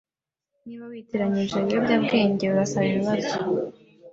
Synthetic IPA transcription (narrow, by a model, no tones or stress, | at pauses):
niβawiteɾaɲiʒeijobɟabɡe̞ːɲɟe̞uɾasaβiβiβazo